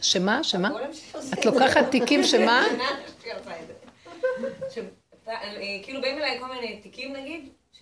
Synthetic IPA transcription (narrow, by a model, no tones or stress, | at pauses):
ʃemaʃemaat̪lo̞kaχatːikimʃemaʃialtaeze | ʃe | t̪aʔekiːlubeimilajkolminet̪ikimnaɡid̪